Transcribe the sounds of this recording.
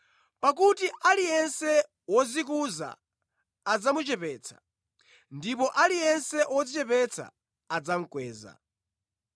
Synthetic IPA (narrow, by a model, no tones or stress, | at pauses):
pak̬utiʔalijɛnsɛ | wɔzik̬uza̰ː | d͡zamut͡ʃɛpɛːt͡sʰḁ̰ | ndipɔʔalijɛnsɛwɔzit͡ʃɛpɛt͡sʰa̰ | ad͡zam̩kwɛːza̰